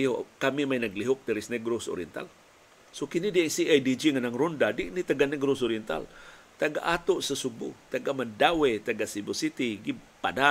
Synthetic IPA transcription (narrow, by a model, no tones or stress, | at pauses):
jokamimajnaɡliɦʊk̚diɾisnɛɡɾoso̰ɾiɛnt̪a̰l | sokinidiiŋsiajdid͡ʒiŋanaŋɾundadiʔnit̪aɡanɛɡɾosoɾiɛnt̪a̰l | t̪aɡa̰ʔat̪oʔsasubṵt̪aɡamandawet̪aɡasibɛsit̪iɡipada